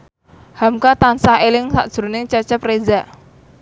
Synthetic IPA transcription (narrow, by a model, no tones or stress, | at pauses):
hamkat̪ansaɦelɪŋsa̰ʔd̥ʒ̥ɾunɪŋt͡ʃət͡ʃəprezaʔ